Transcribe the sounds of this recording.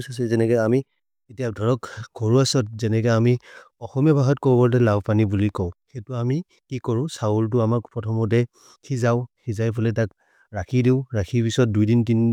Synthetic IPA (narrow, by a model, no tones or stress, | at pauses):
sas̬ɛzɛnɛkɛami | etijadʱɔɹɔkɡʱɔɹuasɔt̚zɛnɛk̬ɛami | ɔxɔmijɔbʱaɦɔt̚kɔbɔbɔlt̬ɛlabpanibulikɔʊ̃xetʊami | kikɔɹʊ̃sault̬ʊamaɹpɹɔtʰɔmɔt̬ɛ | kʰizaʊkizajpʰɔlɛtak | ɹakʰidiʊɹakʰipisɔt̚dujdintin